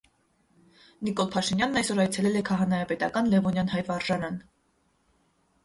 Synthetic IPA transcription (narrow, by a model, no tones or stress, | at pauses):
nikɔlpʰɑʃinjɑnːɑjsɔɾɑjt͡sʰɛlɛlɛkʰɑɦɑnɑjɑpɛt̪ɑkɑnlɛvɔnjɑn̪hɑjvɑɾʒɑɾɑn